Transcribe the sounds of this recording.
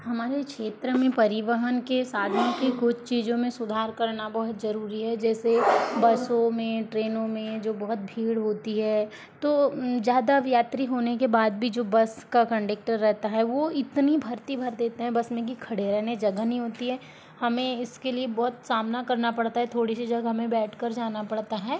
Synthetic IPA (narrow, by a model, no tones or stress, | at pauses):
hɐmaːɾekʃeːt̪ɾəmẽpɐɾɪʋəɦənkesaːd̪ʱənõkekʊt͡ʃʰt͡ʃiːd͡ʒõmẽsʊd̪ʱaːɾkɐɾnabɐɦʊt̪zɐɾuːɾiɦɛd͡ʒɛːsebɐsõmẽʈɾeːnõmẽd͡ʒoːbɐɦʊt̪̚bʱiːɽɦoːt̪iɦɛː | t̪oːzjaːd̪aʋjaːt̪ɾiɦoːnekebaːd̪̚bʱid͡ʒoːbɐskakɐ̃ɳɖek̚ʈəɾːɛɦt̪aɦɛʋoɪt̪nibʱɐɾt̪ibʱɐɾd̪eːt̪eɦɛ̃bɐsmẽkikʰɐɽeɾɛɦned͡ʒɐɡaɦnɦĩɦoːt̪iɦɛː | hɐmẽɪskeliebɔɦt̪saːmnakɐɾnapɐɽt̪aɦɛt̪ʰoːɽisid͡ʒɐɡɦɐmẽbɛːʈʰkɐɾd͡ʒaːnapɐɽt̪aɦɛː